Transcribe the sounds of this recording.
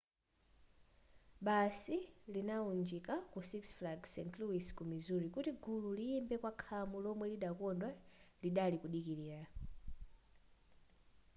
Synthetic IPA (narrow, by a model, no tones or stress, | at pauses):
ɓasilinaund͡ʒikakusiksflaɡsɛntʰluwiskumizuɾikutiɡʱululiːmbɛkwakʰamulɔmwɛliɗakɔndwaliɗalikuɗikiliːɾa